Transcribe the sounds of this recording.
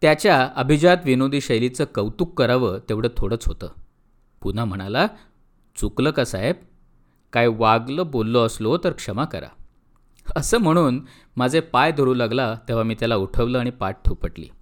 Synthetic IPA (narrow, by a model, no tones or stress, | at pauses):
t̪jat͡ɕjaəbʱid͡ʑat̪ʋinod̪ʱiːɕəjlit͡səːkəwt̪ukːəɾaʋət̪eʋɽəːt̪ʰoɽəːt͡sɦot̪ə̰ː | pun̤am̤əɽ̃ala | t͡sukləːkasaɦeb̚ | kajʋaɡləbolːoəslot̪əɾkʂəmakəɾa̰ | əsəːm̤əɽ̃uːn | mad͡zʱepajd̪ʱəɾuːlaɡlat̪eʋ̤amiːt̪jalauʈʰəʋləːaɽ̃ipaʈ̚ʈʰupəʈlḭː